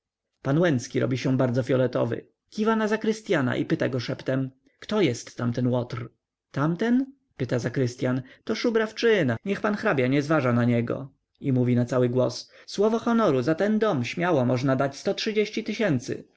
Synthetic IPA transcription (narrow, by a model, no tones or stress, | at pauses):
panwɛnt̪skʲiɾɔ̰bʲiɕɛ̃baɾd̪zɔfʲjɔlɛt̪ɔ̰vɘ̰ | kʲivanazakɾɘst̪ʲjana̰ʔipɘt̪aɡɔʂɛpt̪ɛm | kt̪ɔjɛst̪ːamt̪ɛnwɔt̪r | t̪amt̪ɛn | pɘt̪azakɾɘst̪ʲjant̪ɔʂubɾaft͡ʂɘnaɲɛxpanxɾabʲjaɲɛzvaʐanaɲɛɡɔ̰ | imuvʲinat̪sawɘɡwɔsswɔvɔxɔnɔɾuzat̪ɛnd̪ɔmɕmʲjawamɔʐnad̪at͡ɕst̪ɔtʂɘd͡ʑeɕt͡ɕit̪ɘɕɛnt̪sɘ̰